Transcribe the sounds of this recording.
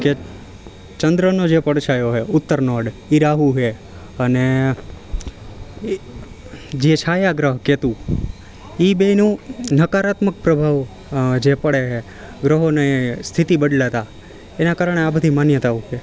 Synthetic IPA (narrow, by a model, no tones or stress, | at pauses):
ke | t͡ʃənd̪ɾənod͡ʒepəɽt͡ʃʰajoɦeʊt̪ːəɾnɔɖiɾaɦuɦe | əne | d͡ʒet͡ʃʰajaɡɾəɦket̪ũ | ibenũnəkaɾat̪mək̚pɾəbʱaʋ | d͡ʒepəɽeɦe | ɡɾəɦonest̪ʰit̪ibəɖlat̪a | enakaɾəɳ̃eabəd̪ʱimanjət̪aʋũke